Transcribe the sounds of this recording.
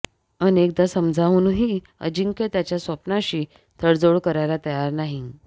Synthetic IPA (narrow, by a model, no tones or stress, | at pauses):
ənek̚d̪asəmd͡zʱaʋunuɦiː | ə̰d͡ʑiŋket̪jat͡ɕjasʋəpnaɕiː | t̪ʰəɽd͡zoɽkəɾajlat̪əjaɾnaɦi